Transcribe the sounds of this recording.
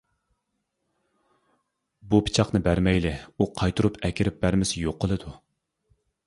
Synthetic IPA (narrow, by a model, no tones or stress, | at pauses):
bupʰi̥t͡ʃʰɑχnɨbæɾmɛjlɪuqʰɑjt̪ʰuɾupʰɛkʲɪɾɪp̚bæɾmɪsɪjoqːəlˠɨd̪u